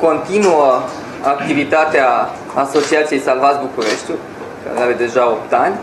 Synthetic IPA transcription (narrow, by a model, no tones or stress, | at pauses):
kont̪inuɔ | ak̚t̪ivit̪at̪ea | asosiat̪sijejsalvazbukuɾɛʃt̪ʲu | ka̰d̪javed̪ɛʒaopt̪anʲ